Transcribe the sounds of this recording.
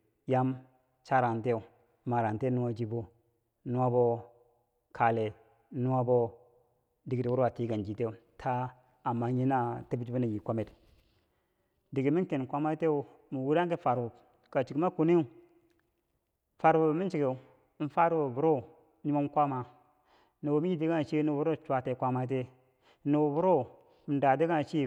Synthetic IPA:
ja˦m | t͡ʃa˦ɾa˨nte˦u˨ | ma˨ɾa˨nte˦nu˦wa˦d͡ʒi˦bu˦ | nu˦wa˦bo˦ | kʰa˨le˨˦ | nu˦wa˦bo˦ | di˨ɡi˨ti˨wu˦ɾa˨ti˦ɡa˨nd͡ʒi˨te˦u˨tʰa˦ | a˨mːa˦ɲi˦na˦te˦bi˦d͡ʒbu˦na˨ji˨kʷa˦me˨t | di˨ɡi˨mi˦n˦ke˨n˨kʷa˦ma˦te˦u˨ | mi˨wu˦ɾa˦ŋke˦fa˨ɾu˨b | ka˨t͡ʃi˨ki˨˦ma˦ku˨ni˦u˨ | fa˨ɾu˨˦mi˦nt͡ʃi˨ke˨˦ | n̩˦fa˦ɾwo˨bu˨ɾo˦˨˦ | i˦ma˦m˦kʷa˦ma˨ | no˨wo˨mi˦ji˦di˦ɡa˦˨t͡ʃi˦nu˨bu˦ɾo˦t͡ʃʷa˨te˨˦kʷa˦ma˦t̬e˦ | no˨wo˨bu˦ɾo˦˨ | da˨de˦ɡa˦˨t͡ʃi˦

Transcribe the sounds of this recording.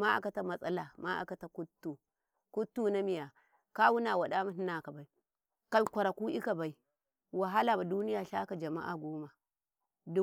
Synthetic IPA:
ma˦a̰˨ka˦ta˦ma˨sʼa˦la˨ma˦ʔa̰˨ka˨ta˨ku˦tːu˨ | ku˦tːu˦na˦mi˨ja˨ | ka˦wu˦na˨wa˨ɗa˦ma˦ni˦na˨ka˨ba˨i˨ | ka˨lkʷa˨ɾa˨ku˦ʔi˦ka˨ba˨i˨ | wa˨ɦa˦la˨ba˨du˦ni˦ja˨ɬa˦ka˨d͡ʒa˨ma̰˦ʔa˨ɡo˦ma˨ | du˦

